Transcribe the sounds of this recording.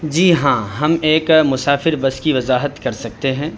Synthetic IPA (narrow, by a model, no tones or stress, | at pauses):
d͡ʒiːɦãːɦɐmeːkmʊsaːfɪɾbɐskiʋɐzaːɦət̪kɐɾsɐk̚t̪eɦɛ̃ː